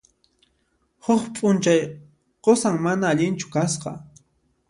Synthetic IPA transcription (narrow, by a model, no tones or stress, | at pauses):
hʊχpʼʊnt͡ʃaj | qosaŋmanaːʎɪnt͡ʃʊ̥kasqɑ̰